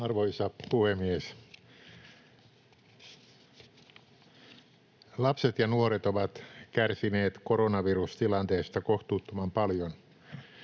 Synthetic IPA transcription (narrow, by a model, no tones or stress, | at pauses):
ɑrʋoisɑpuhemːies | lɑpset̪jɑnuoɾet̪oʋɑt̪kærsineːt̪koɾonɑʋirust̪ilɑnt̪eːst̪ɑkoht̪uːt̪ːomɑmpɑljon